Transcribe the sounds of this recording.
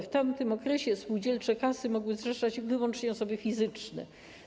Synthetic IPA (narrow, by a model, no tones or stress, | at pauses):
ft̪amt̪ɘmɔkɾɛɕɛspuwd͡ʑɛlt͡ʂɛkasɘmɔɡwɘzʐɛʂad͡ʑvɘwɔnt͡ʂɲɛɔsɔbɘfʲizɘt͡ʂnɛ̰